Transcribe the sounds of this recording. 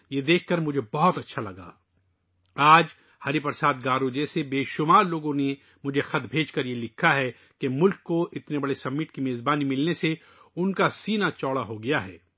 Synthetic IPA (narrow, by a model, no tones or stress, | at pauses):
jed̪eːkʰːɐɾmʊd͡ʒʱebɔɦɔt̪ɐtːʃʰalɐɡa̰ː | aːd͡ʒ | hɐɾipɐɾsaːt̪̚ɡaːɾod͡ʒɛːsebeːʃʊmaːɾloːɡõne | mʊd͡ʒʱexɐt̪bʱeːd͡ʒkɐɾjelɪkʰːaɦɛ | kemʊlkːoʔɪt̪nebɐɽesɐmːɪːʈ̚kimeːzbaːnimɪlnese | ʊnkasiːnat͡ʃɔːɽaɦoɡɐjaɦɛː